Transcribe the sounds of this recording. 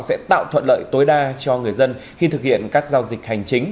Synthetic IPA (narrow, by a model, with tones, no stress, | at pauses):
sɛ̰˧˥t̪a̰ː˧˨wt̪ʰwə̰˧˨nlə̰ː˧˨jt̪o˨˦jɗaː˧t͡ɕɔ˧ŋɨ˨˩əjzə˧nxi˧t̪ʰɨ˨˩k̚hḭ˧˨ənkaː˦˥k̚zaː˧wzï˨˩k̟̚ha˨˩jŋ̟t͡ɕï˨˦ŋ̟